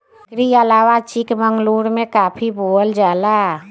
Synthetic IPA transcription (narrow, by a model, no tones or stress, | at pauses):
kɾialaːwat͡ʃikməŋɡluːɾmẽkaːpʰiboəld͡ʒaːla